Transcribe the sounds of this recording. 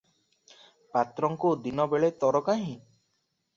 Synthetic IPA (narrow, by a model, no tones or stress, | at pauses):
pat̪ɾɔŋkud̪inɔbeɭet̪ɔɾɔkaɦĩ